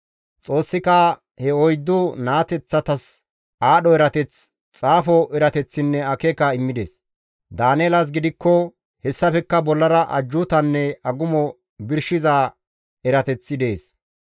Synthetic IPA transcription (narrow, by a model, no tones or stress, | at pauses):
t͡sʼo̞ːsːɪkɐ | hɛɔjd̪ːʊnaːt̪ɛt͡sːɐt̪ɐs | aːɗɔɛɾɐt̪ɛt͡s | t͡sʼaːfɔʔɛɾɐt̪ɛt͡sːɪnːɛɐkɛkɐɪmːɪd̪ḛs | d̪aːnɛːlɐs̬ɡɪd̪ɪkːɔ | hɛsːɐfɛkːɐbɔlːɐɾɐʔɐ̰d͡ʒːʊt̪ɐnːɛɐɡʊmɔ | bɪɾʃɪzaː | ɛɾɐt̪ɛt͡sːɪd̪eːs